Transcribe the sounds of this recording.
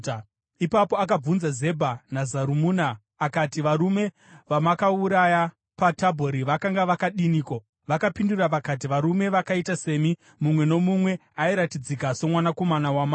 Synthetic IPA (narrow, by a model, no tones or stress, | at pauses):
ipapo̞ak̬ab͡vunzaze̞bʱanazaɾumuːnaː | katiʋaɾume̞ | ʋamakauɾaja | patabʱo̞ɾiʋakaŋɡaʋakaɗiniːkwa | ʋakapinduraʋakat̬iʋaɾume̞ʋakaitase̞mi | mumwe̞no̞mumwe̞aiɾatid͡zikaso̞mwanako̞manawamaː